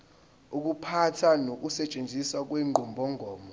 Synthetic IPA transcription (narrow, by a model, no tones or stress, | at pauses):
uk̬ʼupʰatʰanok̬usɛt͡ʃʼend͡zʱisak̬wɛŋ͡ǃʱɔmbʱɔŋʱɔːmɔ